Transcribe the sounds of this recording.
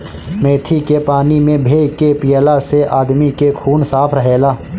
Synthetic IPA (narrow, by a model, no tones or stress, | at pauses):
mẽːt̪ʰikepaːnimẽbʱeːɡkepɪjəlaseʔaːd̪mikekʰuːnsaːpʰɾəɦeːlaː